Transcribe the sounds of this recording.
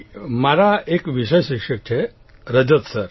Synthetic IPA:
maɾaekʋiɕəjɕikʂək̚t͡ɕʰe | ɾəd͡ʑət̪səɾ

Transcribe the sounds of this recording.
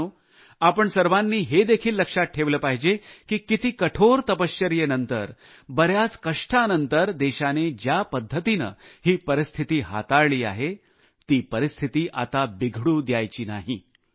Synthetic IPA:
u | apəɳsəɾʋanːiːɦed̪ekʰiːlːəkʂat̪̚ʈʰeʋləːpaɦid͡ʑekiːkit̪iːkəʈʰoɾt̪əpəɕjəɾjenənt̪əɾ | bəɾjat͡skəʂʈʰanənt̪əɾd̪eɕaned͡ʑjapəd̪ʱːət̪inə̰ɦiːpəɾist̪ʰit̪iːɦa̰t̪aɭɭiːa̰ɦe | t̪iːpəɾist̪ʰit̪iːʔa̰t̪abiɡʱɽuːd̪jajt͡ɕiːna̰ɦiː

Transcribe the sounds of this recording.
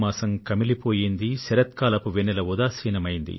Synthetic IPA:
maːsɐmkɐmilipo̞ːjind̪isɛɾɐt̪̚kaːlɐpuʋenːɛlɐʋud̪aːsiːnɐmɐjind̪ḭ

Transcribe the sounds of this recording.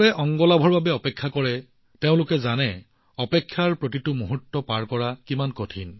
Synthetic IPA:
ɛʔɔŋɡɔlabʱɔɹbabɛɔpɛkʰːakɔɹɛ | teʊ̃lʊkɛzanɛ | ɔpekʰːjaɹpɹotitʊmuɦutːɔpaɹkɔɹakimankotʰin

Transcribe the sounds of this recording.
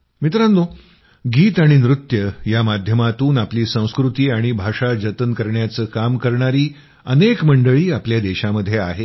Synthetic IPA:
mit̪ɾanːo | ɡiːt̪aɽ̃inɾut̪jəjamad̪ʱjəmat̪uːnapliːsə̃w̃skɾut̪iːaɽ̃ibʱaʂad͡ʑət̪ənkəɾɳjat͡səːkamkəɾɳaɾiː | ənekməɳɖəɭiːapljad̪eɕaməd̪ʱjeaɦe

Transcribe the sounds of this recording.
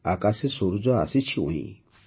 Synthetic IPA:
akasisoɾud͡ʒɔa̰sit͡ʃʰiṵ̃ḭ̃

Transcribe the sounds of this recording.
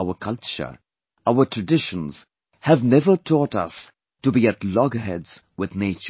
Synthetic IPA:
ʊəkʰʌlt͡ʃə̰˞ | aʊətʰɹɨdɪʃə̃nz̥ | hævnɛvə˞tʰɔːtʌ̰s | tubiɨtlɔɡəɦɛdz̥ | wɪðneɪt͡ʃ

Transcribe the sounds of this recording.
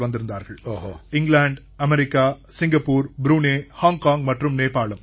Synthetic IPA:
ʋɐnd̪ɪɾɯnd̪aːɾɣɐɭːɪŋɡɭaːɳɖ | ɐmɛɾɪkːaː | sɪŋɡɐpːuːɾbɾuːneːhaːŋkaːŋɡmɐʈrɯmneːpːaːɭɐm

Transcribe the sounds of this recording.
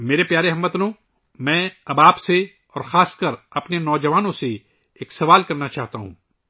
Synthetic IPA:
meːɾepjaːɾeɦɐmːɐt̪lõ | mɛ̃ːɐbaːpse | ɔːɾxaːskɐɾɐpnenɔːd͡ʒɐʋaːnõse | eːksɐʋaːlkɐɾnat͡ʃaːɦt̪aɦṵ̃ː

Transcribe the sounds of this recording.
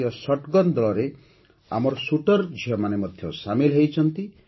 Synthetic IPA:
ɔsɔʈɡɔnd̪ɔɭɔɾe | a̰mɔɾɔsuʈɔɾd͡ʒʱiɔmanemɔd̪ʱjɔsamilɦejt͡ʃʰɔnt̪i

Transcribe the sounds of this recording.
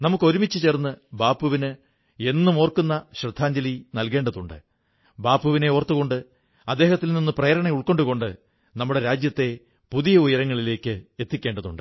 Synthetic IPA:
nɐmukːo̞ɾumit͡ɕːɨt͡ɕe̞ːrnːɨbaːpːuʋinɨ | e̞nːɨmoːrkːunːɐɕrɐd̪ʱːaːɲd͡ʑɐlinɐlke̞ːɳɖɐðuɳɖɨ | baːpːuʋine̞ort̪ːuɣo̞ɳɖɨ | ɐd̪ːe̞ːɦɐt̪ːilninːɨprɐjɐɾɐɳɐuɭko̞ɳɖuko̞ɳɖɨ | nɐmːuɽe̞ɾaːd͡ʑjɐt̪ːe̞ | puðijɐujɐɾɐŋːɐɭile̞ːkːɨe̞t̪ːikʲːe̞ːɳɖɐðṵɳɖɨ

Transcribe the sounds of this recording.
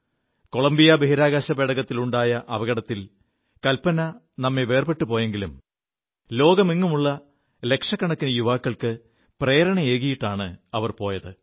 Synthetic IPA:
ko̞ɭɐmbijɐbeɦiɾaːɣaːɕɐpeːɽɐɣɐt̪ːiluɳɖaːjɐʔɐʋɐɣɐɽɐt̪ːil | kɐlpɐnɐ | nɐmːeʋe̞ːrpe̞ʈːupo̞ːje̞ŋɡilum | lo̞ːɡɐmiŋːumuɭːɐ | le̞kʂɐkːɐɳɐkːinɐjuʋaːkːɐɭkɨ | preːɾɐɳɐeːɣɐjiʈːaːɳɨɐʋɐrpo̞ːjɐðɨ

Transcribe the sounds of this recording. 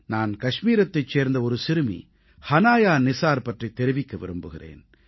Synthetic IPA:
naːnkɐʂmiːɾɐt̪ːɐɪt͡ʃseːɾnd̪ɐɔɾɯsɪɾɯmḭ | hɐnaːjaːnɪsaːɾpɐʈriɪt̪ːɛɾɪʋɪkːɐʋɪ̰ɾɯmbɯɣɪrḛːn

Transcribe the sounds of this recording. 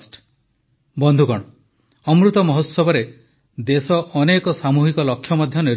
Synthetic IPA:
sʈ | bɔnd̪ʱukɔɽ̃ɔ | ɔmɾut̪ɔmɔɦot̪sɔbɔɾe | d̪esɔʔɔnekɔsamuɦikɔlɔkʰːjɔmɔd̪ʱjɔneɾ

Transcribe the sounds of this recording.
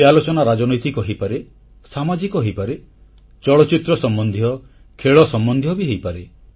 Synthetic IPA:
ealot͡ʃɔnaɾad͡ʒɔnɔjt̪ikɔɦipaɾe | samad͡ʒikɔɦejpaɾe | t͡ʃɔɭɔt͡ʃit̪ɾɔsɔmbɔnd̪ʱiɔ | kʰeɭɔsɔmbɔnd̪ʱijɔbiɦejpaɾe

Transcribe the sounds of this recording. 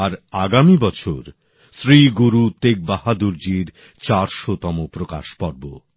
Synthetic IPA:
aɾaɡamibɔt͡ɕʰoɾ | sɾiɡuɾut̪eɡ̚bahad̪uɾd͡ʑiɾ | t͡ɕaɾʃot̪ɔmopɾoka̰ʃpɔɾbo̰

